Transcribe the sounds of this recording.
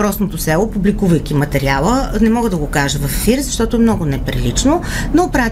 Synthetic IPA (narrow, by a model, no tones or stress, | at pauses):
ɾɔsnot̪osɛlˠopublikuvɐjk̟ʲimɐt̪ɛɾialˠənɛmɔɡəd̪ɐɡokaʒəvɐfːiɾzɐʃt̪ɔt̪ʊɛmnɔɡʊnɛpɾḭlit͡ʃnonopɾa